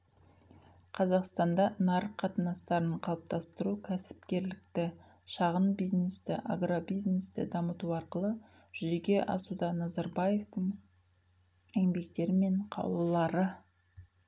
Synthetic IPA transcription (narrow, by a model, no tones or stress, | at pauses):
qʰɑzɑqst̪ɑnd̪ɑnɑɾəqʰːɑt̪ənɑst̪ɑɾəɴqʰɑlˠəp̚t̪ɑst̪əɾukʲʰæsɪ̥p̚kʲe̞ɾlɪk̚t̪ɪ | ʃɑʁənbijznest̪ɪʔa̰ɡrobijznest̪ɪ̰d̪ɑmət̪uɑɾqəlˠə | ʒ̥ʏzeɡʲe̞ʔɑ̰sud̪ɑnːɑzɑɾbɑje̞ft̪əɴ | eŋbe̞k̚t̪e̞ɾɪme̞ɴqʰɑ̰wlˠəlˠɑɾə